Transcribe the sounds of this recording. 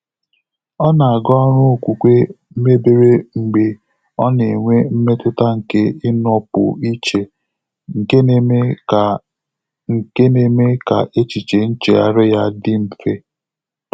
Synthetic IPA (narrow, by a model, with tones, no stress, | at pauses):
ɔ˦na˨a˨ɡɔ˦ɔ˦ɾʊ˦o˨kʷu˨kʷe˦ | me˦be˦ɾe˦ŋ͡m̩˨ɡ͡be˨ | ɔ˦ne˨ŋʷe˦m̩˦me˦tʊ˦ta˦ŋ̩˨ke˦ɪ˦nɔ˦pʊ̰˨i˦t͡ʃe˨ | ŋ̩˨ke˦ne˦me˦ka˨ | ŋ̩˨ke˦ne˨me˦ka̰˨ʔe˦t͡ʃi˨t͡ʃe˨n̩˦t͡ʃḛ˨a̰˦ɾɪ˦ja˦dɪ˦m̩˨fe˦